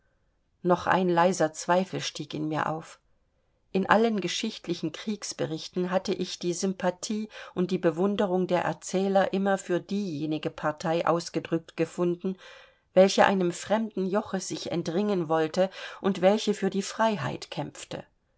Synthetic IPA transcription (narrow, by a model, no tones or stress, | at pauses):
nɔχʔa̰ɪnlaɪzɐt͡sv̥aɪfl̩ʃtiːkɪnmiːɐʔa̰ʊf | ʔɪnʔa̰lənɡəʃɪçtlɪçn̩kʁ̥iːksb̥əʁɪçtn̩ɦatəʔɪçd̥iːzʏmpʰatʰiːʔʊnt̚d̥iːbəvʊndəʁʊŋdeːɐʔɛ̰ɐt͡sɛːlɐʔɪmɐfyːɐdiːjeːnɪɡəpʰaɐtʰaɪʔa̰ʊsɡ̥ədʁʏk̚tɡ̥əfʊndn̩ | vɛlçəʔa̰ɪnəmfʁ̥ɛmdn̩jɔχəzɪçɛ̰ntʁɪŋənvɔltəʔʊntv̥ɛlçəfyːɐdiːfʁ̥aɪɦa̰ɪtkʰɛmp͡ftə̰